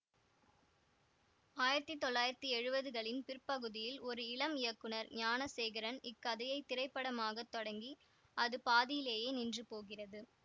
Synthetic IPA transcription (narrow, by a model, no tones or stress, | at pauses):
aːjɪɾɐt̪ːit̪ːɔɭːaːjɪɾɐt̪ːiɛɻɯbɐðɯɣɐɭɪnpɪrpɐɣɯðɪjɪlɔɾɯɪɭɐmɪjɐkːɯɳɐɾɲaːnɐseːɣɐɾɐnɪkːɐðɐjɐɪt̪ːɪɾɐɪpːɐɽɐmaːɣɐt̪ːɔɽɐŋɡi | ʔɐðɯpaːðɪjɪleːjeːnɪndrɯpoːɣɪrɐðɯ